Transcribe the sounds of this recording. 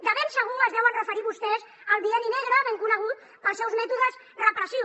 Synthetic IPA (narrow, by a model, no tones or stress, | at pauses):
d̪əβɛnsəɣuŋəzðɛwənrəfəɾiβust̪ɛs | əlˠβiɛninɛɣɾəβeŋkunəɣ̞ut̪ | pəlˠsɛwzmɛt̪uðəz | rəpɾəsi